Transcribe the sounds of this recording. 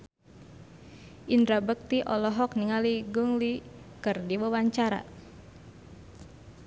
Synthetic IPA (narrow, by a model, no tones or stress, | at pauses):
ʔindɾabək̚t̪iʔɔlɔɦɔk̚niŋaliɡuŋli | kərdiwawaɲt͡ʃaɾa̰